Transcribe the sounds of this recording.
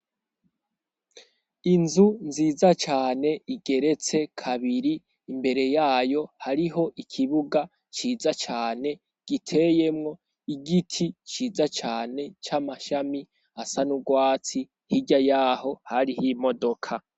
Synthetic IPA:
inzunziːzat͡ʃaːne̞iɡe̞ɾe̞t͡se̞kʰaβiɾiː | mbe̞ɾe̞jaːjo̞haɾiɦo̞ʔikʰiβuɡa | t͡ʃiːzat͡ʃaːne̞ | ɡ̥itʰe̞je̞mŋo̞ | iɡitʰit͡ʃiːzat͡ʃaːne̞t͡ʃamaʃami | asanuɡwaːt͡si | hiɟajaːho̞haɾihimo̞do̞kʰa

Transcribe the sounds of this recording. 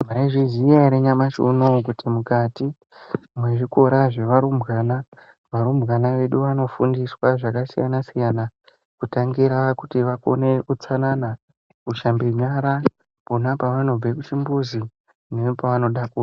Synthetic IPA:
maiʐizijaɾeɲamaʃṵnok̬utʰimukati | mweʐiko̞ɾaʐe̞ʋaɾumɣaːna | ʋaɾumbɣanaʋe̞ɗuʋano̞fundiswaʐakasija̰nasijana | kutaŋɡiɾakutiʋako̰neʔut͡sanana | kuʃambeɲaɾa | ponapaʋano̞b͡vekut͡ʃimbuzi | neopaʋano̞ɗakuːra

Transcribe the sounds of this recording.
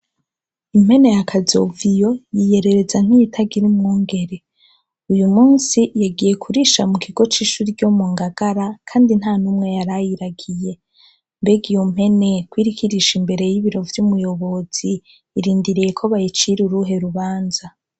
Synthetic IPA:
im̥he̞ne̞jakʰazo̞̰vijo̞jije̞ɾe̞ɾe̞zan̥hijitʰaɡiɾimŋoːŋɡe̞ɾe̞ | ujumuːnsijaɡije̞kʰuɾiʃamukʰiɡo̞t͡ʃiːʃuɾiɟo̞muːŋɡaɡ̥aɾakʰaːndin̥haːnumŋe̞jaɾajiɾaɡije̞ | mbeɡijom̥he̞ne̞kwiːɾikʰiɾiʃimbe̞ɾe̞jiβiɾo̞vjumujo̞βo̞z̥iː | ɾiːndiɾije̞kʰoβajit͡ʃiɾuɾuɦe̞ɾuβaːnza

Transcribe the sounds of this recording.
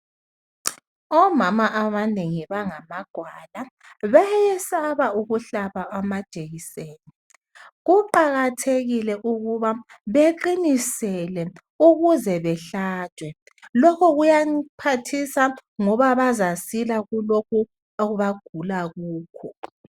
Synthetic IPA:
ɔmamaʔaβaneŋiβaŋamaɡ̥ʱwalaβajɛsaβauɣuɬaβaamad̥ʒ̥ʱʼeɣiseːni | ɣuǃaɣatʰeɣilɛʔuɣuβa | βeǃinisɛlɛ | uɣuzɛβɛɬaːd̥ʱwɛ | lɔkʰɔɣujapʰatʰisaŋɔβaβazasilaɣulok̚ʰu | oɣuβaɡ̥ʱulaɣuːkʰɔ

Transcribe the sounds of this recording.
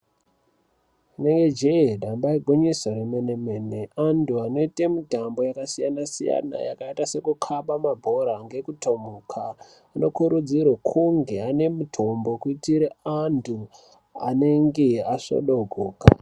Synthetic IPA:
ineŋɡe̞d͡ʒedʱambaiɡʱoɲisoremenemene̞antʰuano̞itemutambo̞jakasijanasija̰na̰ja̰kaitase̞kukʰaɓamabʱo̞ɾaŋɡe̞kuto̞mukʰaː | no̞kuɾud͡zirwokʰuŋɡe̞ane̞mutʰo̞mbo̞kuitiɾeantʰu | a̰ne̞ŋɡe̞aʂo̰ɗoɡʱoːka̰

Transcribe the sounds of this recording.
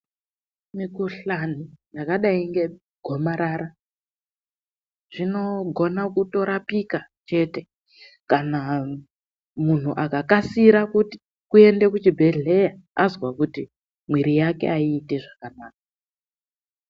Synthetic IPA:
mikuɬan̤ijakaɗaiŋɡe̞ | ɡʱo̞maɾaːɾa | ʐ̥ino̞ɡʱo̞nakuto̞ɾapikat͡ʃe̞te̞ | kana | mun̤uʔakakasiɾakuti̥ | kue̞nde̞kut͡ʃibʱeɮejaazwakuti | mwiɾijake̞̰aiːteʐakanaːk̚a

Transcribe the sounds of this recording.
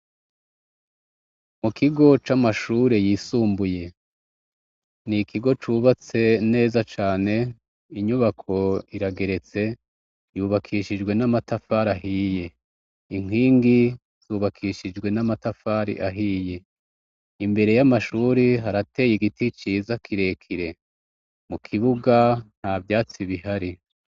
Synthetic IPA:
mukʰiɡo̞t͡ʃamaʃuːɾe̞jiːsuːmbuje̞ | nikʰiɡo̞t͡ʃuβat͡se̞ne̞ːzat͡ʃaːne̞ | iɲuβakʰo̞iɾaɡe̞ɾe̞t͡se̞ | juːβakʰiʃid͡ʒɡwe̞namatafaːɾaɦiːje̞ | iŋ̥wiːŋɡi | z̥uːβakʰiʃid͡ʒɡwe̞namatafaːɾḭʔaɦiːje̞ | imbe̞ɾe̞jamaʃuːɾiɦaɾate̞ːjiɡitit͡ʃiːzakʰiɾe̞kʰiɾe̞ | mukʰiβuɡan̥havjaːt͡siβiɦaɾi

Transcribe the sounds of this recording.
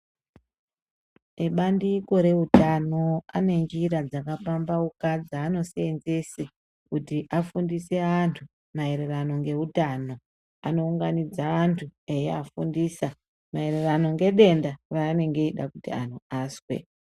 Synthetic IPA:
eɓandiko̞ɾe̞utano̞ane̞ŋɡiɾad͡zakafambaukad͡zaːno̞senzese | kutiʔafundise̞antʰu | mae̞ɾe̞rano̞ŋɡe̞utaːno̞ | ano̞uŋɡanid͡zaʋantʰue̞jeafṵndiːsa | mae̞rerano̞ŋɡe̞ɗe̞ndaraːne̞ŋɡe̞iɗakutḭan̤uaːswḛ

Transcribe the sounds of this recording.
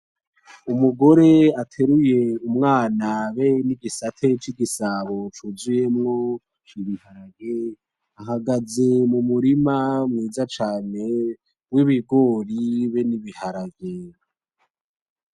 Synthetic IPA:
umuɡo̞ɾe̞atʰe̞ɾuje̞umŋaːnaβeniɡisatʰe̞t͡ʃiɡisaβo̞t͡ʃuzuje̞mŋo̞ | t͡ʃiβihaɾaɡje | aɦaɡazemumuɾimamŋiːzat͡ʃaːne̞ | wiβiɡo̞ːɾiβe̞niβihaɾaɡje

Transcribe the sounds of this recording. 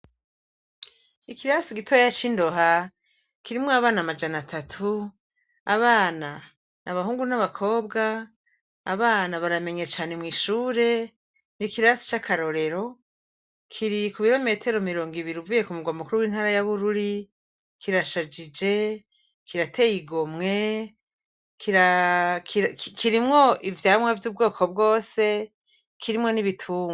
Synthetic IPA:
ikiɾasiɡitʰojjat͡ʃindo̞ɦa | kiɾimŋoaβaːnamad͡ʒanatʰatʰu | a̰βaːna | nʔaβaɦuːŋɡunaβakʰo̞ːbɡaː | βaːnaβaɾame̞ɲet͡ʃaːne̞mŋiːʃuːɾe̞ | nikiɾasi̥t͡ʃakʰaɾo̞ɾe̞ɾo̞ | kʰiɾikuβiɾo̞me̞ːtʰe̞ɾo̞miɾo̞ːŋɡiβiɾiuvuːje̞kumuɡwamukuɾuwiːnhaːɾajaβuɾuɾi | kiɾaʃad͡ʒid͡ʒe̞ | kʰiɾatʰe̞jiɡo̞mŋe̞ | kʰiɾakʰiɾkikʰiɾimŋo̞ʔivjaːmŋwavjuːb̚ɡo̞ːkʰo̞b̚ɡo̞ːse̞ | kʰiɾimŋo̞niβitʰuːŋɡ

